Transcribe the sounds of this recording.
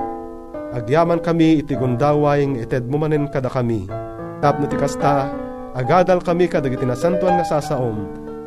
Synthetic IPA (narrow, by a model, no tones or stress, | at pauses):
ʔɐɡjaːmankɐmiːt̪ɪɡʊnd̪aːwajŋɛt̪ɛd̪̚mʊmanɛnkɐd̪akɐmi | t̪ap̚nat̪ikast̪a | ʔɐɡaːd̪alkɐmikɐd̪aɡit̪inasant̪oaŋːɐsaːsaʔom